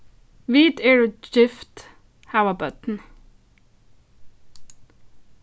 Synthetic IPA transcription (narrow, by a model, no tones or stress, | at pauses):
ʋiːt̪eɹd͡ʒɪft̪ | haʊəbœt̪n̩